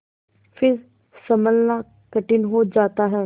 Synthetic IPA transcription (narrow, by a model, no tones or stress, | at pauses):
pʰɪɾ | səməlnaː | kəʈɪnɦoːd͡ʒaːt̪aːɦɛː